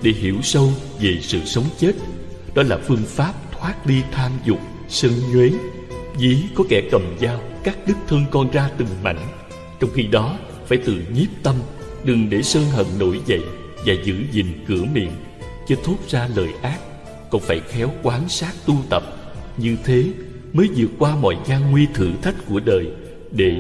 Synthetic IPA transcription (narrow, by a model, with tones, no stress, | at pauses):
ɗe˧˩ɦi˧˩əwsə˧w | ve˨˩sɨ̰˧˨sə˨˦wŋ͡mt͡ɕe˦˥t̚ | ɗɔ˨˦laː˨˩fɨ˧əŋfaː˦˥p̚t̪ʰwaː˦˥t̚ɗi˧t̪ʰaː˧mzʊ˨˩k͡p̚ | səː˧ŋɲwe˨˦ | zi˨˦kɔ˨˦kɛ˧˩kə˨˩mzaː˧wkaː˦˥k̚ɗɨ˦˥k̚t̪ʰə˧ŋkɔ˧nzaː˧t̪ɨ˨˩ŋma̰˧˨jŋ̟ | t͡ɕɔ˧wŋ͡mxi˧ɗɔ˨˦ | faː˧˩jt̪ɨ̰˧˨ɲi˦˥p̚t̪ə˧m | ɗɨ˨˩ŋɗe˧˩səː˧nɦə̰˧˨nno̰˧˩jzə̰˧˨j | vaː˨˩zɨ̰˧˩zḭ˨˩˨ŋkɨ˧˩əmḭ˧˨ən | t͡ɕɔ˧t̪ʰu˦˥t̚zaː˧lə̰ː˨˩jʔaː˦˥p̚ | kɔ˧˩nfaː˧˩jxɛ˨˦wkwaː˨˦nsaː˦˥k̚t̪u˧t̪ə˨˩p̚ | ɲɨ˧t̪ʰe˨˦ | məː˨˦jzɨ˨˩ək̚kwaː˧mɔ̰˧˨jzaː˧ŋːwi˧t̪ʰɨ̰˧˩t̪ʰa˦˥k̟̚ku˧˩əɗəː˨˩j | ɗe˧˩